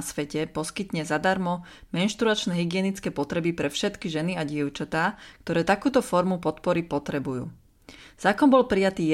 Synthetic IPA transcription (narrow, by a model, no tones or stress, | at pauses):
sʋɛcɛpɔskit̪ɲɛzad̪aɾmɔmɛnʃt̪ɾuat͡ʃnɛɦiɡɪɛnit͡skɛːpɔt̪ɾɛbipɾɛfʃɛt̪kiʒɛniaɟɪɛʊt͡ʃat̪aːk̚t̪ɔɾɛːt̪akuːt̪ɔfɔɾmupɔt̪pɔɾipɔt̪ɾɛbujṵː | z̥aːkɔnbɔlpɾijat̪iːj